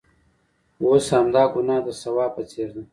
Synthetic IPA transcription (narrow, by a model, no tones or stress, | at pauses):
woːsamd̪aːɡunaːd̪əsɐwaːpət͡seːɾd̪i